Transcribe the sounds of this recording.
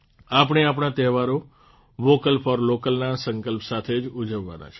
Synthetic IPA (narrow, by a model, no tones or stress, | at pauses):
apəɳ̃eap̬ɳ̃at̪ɛɦʋaɾo | ʋokəlfʰɔɾlokəlnasəŋkəlpsat̪ʰed͡ʒud͡ʒəʋːa̰na̰t͡ʃʰe̥